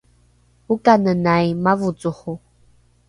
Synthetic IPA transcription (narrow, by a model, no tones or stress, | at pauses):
ukanənajmavut͡sʼuχu